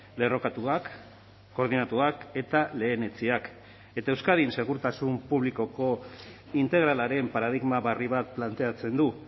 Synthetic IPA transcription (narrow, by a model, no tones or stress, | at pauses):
le̞ro̞kat̪uakː | o̞ɾðinat̪uake̞t̪ale̞ːne̞t͡siak | e̞t̪ae̞wskaðinse̞ɣ̞uɾt̪asumpuβliko̞ko̞ | int̪e̞ɣ̞ɾalaɾe̞mpaɾað̞iɣmaβariβat̪̚plant̪e̞at͡se̞nd̪u